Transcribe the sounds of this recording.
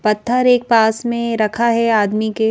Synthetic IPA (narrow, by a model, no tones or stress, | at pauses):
pɐt̪ʰːəɾeːk̚paːsmẽɾɐkʰaɦɛaːd̪mike